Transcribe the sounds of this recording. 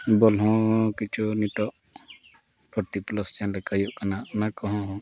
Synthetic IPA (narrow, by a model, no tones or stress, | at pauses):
bɔlɦɔ̃kit͡ʃʰunit̪ɔʔ | pɔʈ̪iplɔst͡ʃanlɛkajuʔkanaʔnakɔɦɔ̃ɦɔ̃